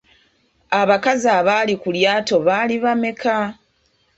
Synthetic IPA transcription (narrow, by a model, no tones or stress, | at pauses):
aβakazaβaːlikuljaːto̞βaːliβame̞ka